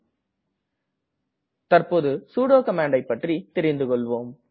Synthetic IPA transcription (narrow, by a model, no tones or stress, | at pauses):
t̪ɐrpoːðɯsuːɽoːkɐmaːɳɖɐɪpːɐʈrit̪ɪɾɪnd̪ɯkɔɭʋoːm